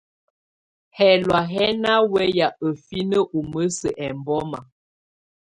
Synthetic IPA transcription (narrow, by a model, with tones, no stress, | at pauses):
hɛ˨lwa˨ɦɛ˦na˦wɛ˦ja˨ə˨fi˦nə˦ʔu˨mə˦sə˨ʔɛ˨mbɔ˦ma̰˨